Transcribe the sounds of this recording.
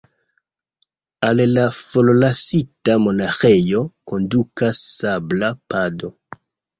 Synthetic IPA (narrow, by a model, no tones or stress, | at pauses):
allafololasitamo̞naxejoko̞ndukasːablapado̞